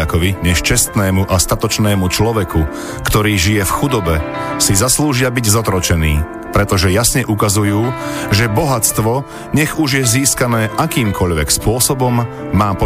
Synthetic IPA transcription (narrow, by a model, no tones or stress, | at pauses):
akɔʋiɲɛʃt͡ʃɛst̪nɛːmuʔast̪at̪ɔt͡ʃnɛːmut͡ʃlɔʋɛku | kt̪ɔɾiːʒijɛfxud̪ɔbɛsizasluːʒɪabiɟzɔt̪ɾɔt͡ʃɛnḭː | pɾɛt̪ɔʒɛjasɲɛʔukazujuːʒɛbɔɦat͡st̪ʋɔ | ɲɛɣuʒjɛziːskanɛːʔakiːmkʰɔʎʋɛkspʊɔsɔbɔmː | aːpɔ